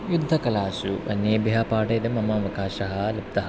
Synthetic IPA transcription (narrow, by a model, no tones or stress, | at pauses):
jud̪ʱːɐkɐlaːsuʔɐ̰njeːbjaːpaːʈɐjd̪ɐmɐmɐɐʋɐkaːʃɐɦɐ̆lɐp̚t̪ɐɦ